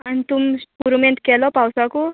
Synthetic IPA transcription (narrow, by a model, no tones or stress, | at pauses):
ant̪umpuɾmenʈkelopawsʌku